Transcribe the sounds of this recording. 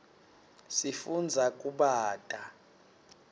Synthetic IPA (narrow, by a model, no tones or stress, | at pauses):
sifund͡zʱakʼuɓaːtʼa